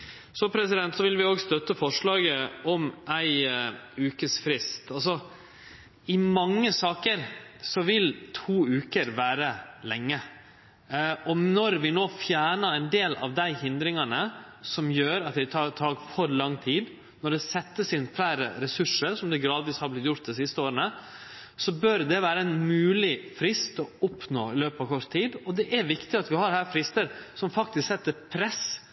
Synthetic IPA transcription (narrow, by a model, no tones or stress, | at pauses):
sɔpʰɾɛsɪd̪ɛnt̪sɔʋɪlʋɪoːɡst̪œt̪ːəfɔʂɭɑːɡəɔmʔæɪʉːkəsfɾɪst̪ɑlsɔ | ɪmɑŋːəsɑːkəɾsɔʋɪlt̪ʰuːʉːkəɾʋæːɾəlɛŋːə | ɔnɔɾʋɪnoːfjæːɳəæɪnd̪eːlɑ̰ʋd̪æɪhɪnd̪ɾɪŋɑnə | sɔmjøːɾɑt̪d̪ɪt̪ʰɑt̪ʰɑːɡfɔɾlɑŋːt̪ʰiːd̪ | nɔɖ̪ɛsɛt̪ːəsɪnflæːɾə̰ɾɛsʉʂəɾsɔmd̪ɛɡɾɑːd̪ʋiːshɑɾblɪt̪jʊɾt̪̚d̪ɛsɪst̪əoːɾənə | sɔbœɾd̪ɛʋæːɾəɛnmʉːlɪfɾɪst̪ɔʊpnoːɪløːpɑːʋkʰɔɾt̪t̪ʰiːd̪ɔd̪ɛʔæɾʋɪkt̪ɪɑt̪ʋɪhɑɾhæːɾfɾɪst̪əɾsɔmfɑkt̪ɪsksɛt̪ːəɾpʰɾɛs